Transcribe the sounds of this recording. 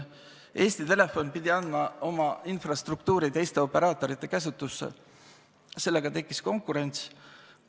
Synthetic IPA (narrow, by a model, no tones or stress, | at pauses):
e̞ːst̪it̪e̞le̞fo̞npid̪ʲiɑnmɑo̞mɑinfrɑst̪ruk̚t̪uːɾit̪e̞jst̪e̞o̞pe̞ɾɑːt̪ːˑo̞ɾit̪ˑːe̞kæs̬ut̪ːˑusːḛ | se̞lːe̞ɡ̥ɑt̪e̞kːˑisko̞ŋkːˑuɾe̞nʲt̪s